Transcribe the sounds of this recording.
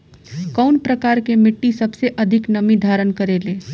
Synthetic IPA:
kəwnpɾəkaɾkemɪʈːisəbseʔəd̪ʱiknəmid̪ʱaɾənkəɾele

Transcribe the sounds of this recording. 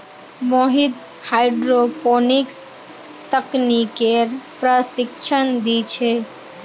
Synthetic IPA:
moɦɪd̪ | haːɪɖɾopʰonɪks | t̪əknikeɾpɾəsɪkt͡ʃʰənd̪it͡ʃʰe

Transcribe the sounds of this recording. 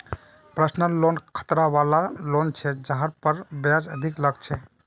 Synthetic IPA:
pɾəsnəllːonkʰə̥t̪ɾaβalalont͡ʃʰɛd͡ʒaɦəɾpəɾbjad͡ʒəd̪ʱikləɡ̚t͡ʃʰɛ

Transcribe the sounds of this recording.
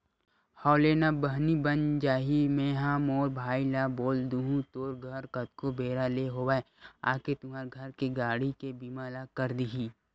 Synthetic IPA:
hɔːʊleːnabəɦnibənd͡ʒaːɦimẽːɦãmoːɾbʱaːilaːboːld̪uɦũt̪oːɾɡʱɐɾkət̪kobeːɾaleɦoːwaːe | a̰ːket̪ʊmaːɾɡʱɐɾkeɡaːɽikebimaːlakəɾd̪iɦiː

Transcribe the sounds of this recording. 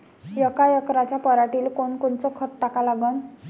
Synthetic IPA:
jəkajəkɾat͡ɕapəɾaʈiːlkonkont͡sɔkʰət̚ʈakalaɡən

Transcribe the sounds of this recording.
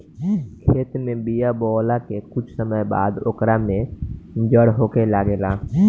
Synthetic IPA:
kʰeːt̪mẽbijabɔːlakekʊt͡ʃʰsəməjba̰ːd̪o̰ːkɾamẽd͡ʒəɽɦoːkelaːɡelaː

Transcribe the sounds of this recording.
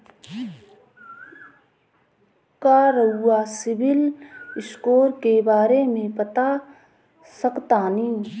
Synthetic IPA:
kaːɾəʊːasɪbɪlɪskoːɾkebaːɾemẽpət̪a | səkt̪anĩː

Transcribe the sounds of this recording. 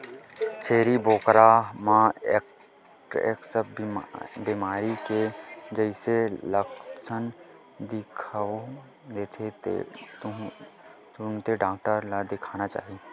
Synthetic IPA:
t͡ʃʰeːɾiboːkɾamãek | ʈḛːksəb | biːmaːɾiked͡ʒəɪseləkʃən | d̪ɪkʰao | d̪eːt̪ʰḛt̪ | t̪ʊnt̪eɖaːk̚ʈəɾlad̪ɪkʰaːnat͡ʃa̰ːɦie

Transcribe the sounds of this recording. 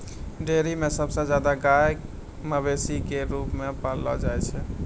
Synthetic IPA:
ɖeɾimesəbsə̃d͡ʒjad̪aɡaje | məbesikeɾupmepalːɔ̰d͡ʒajt͡ʃʰɛ

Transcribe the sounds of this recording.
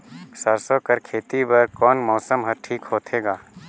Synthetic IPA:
saɾsokɐɾkʰeːt̪ibɐɾkɔːnmɔːsəmɦɐʈʰiːkhoːt̪ʰeːɡaː

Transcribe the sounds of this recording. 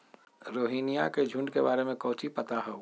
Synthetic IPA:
ɾoːɦiːnijaked͡ʒʱʊ̃ɳɖkebaːɾemẽkɔːt͡ʃipət̪aɦɛ

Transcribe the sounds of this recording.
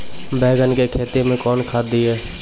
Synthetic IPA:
bɛːɡənkekʰeːt̪emẽkɔːnkʰaːd̪iɦɛː

